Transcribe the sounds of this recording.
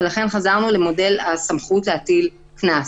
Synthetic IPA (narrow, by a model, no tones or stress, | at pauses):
elaχe̞nχazaʁnulemo̞de̞lasamχutleat̪il | knas